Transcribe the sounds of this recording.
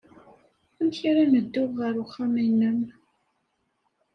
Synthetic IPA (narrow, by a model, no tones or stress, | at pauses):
æmçɾaməd̪ːʊʁʁəɾʊχːaminːəm